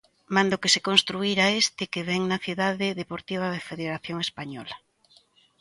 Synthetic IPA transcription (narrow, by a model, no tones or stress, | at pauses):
mãnd̪okesekonst̪ɾuiɾaest̪ɪkeβɛŋnɐθjiuðaðɪðepoɾt̪iβ̞ɐðefeðeɾaθjoŋespaɲɔ̰lɐ